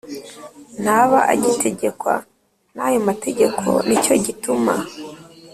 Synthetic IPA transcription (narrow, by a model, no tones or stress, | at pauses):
n̥haβaʔa̰ɟitʰe̞ɟe̞kwa̰ | najomate̞ɟe̞kʰo̞̰nico̞ɟituma